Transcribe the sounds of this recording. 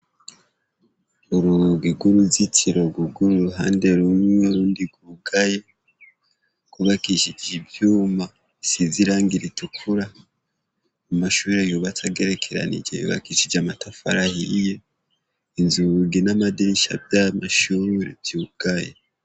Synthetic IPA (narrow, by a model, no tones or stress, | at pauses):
uɾuɡiɡuɾuzitʰiɾoɡuɡuɾuɾuɦa̰ːndeɾumŋweɾuːndiɡuɡaje | kuβakiʃid͡ʒibjuːma | siziɾaːŋɡiɾitukʰuɾa | umaʃuːɾejuβat͡saɡe̞ɾe̞kʰeɾa̰nḭd͡ʒeβḭβa̰kiʃid͡ʒamatafaɾahije̞ | inzuɡenamadiɾiʃa̰bjamaʃuːɾḛbjuɡ̥aje